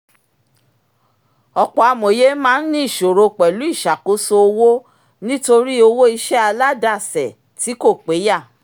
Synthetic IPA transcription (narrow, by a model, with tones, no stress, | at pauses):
ɔ˧k͡pɔ˧a˧mõ˨je˦mãː˦n̩˦nĩ˦i˦˨ʃo˨ɾo˧k͡pɛ˨lu˨˦i˦˨ʃa˨ko˨˦so˧o˧wo˦ | nĩ˦to˧ɾi˦o˧wo˦i˧ʃɛ˦a˧la˦da˦˨sɛ˨ | ti˨˦ko˦˨k͡pe˨˦ja˦˨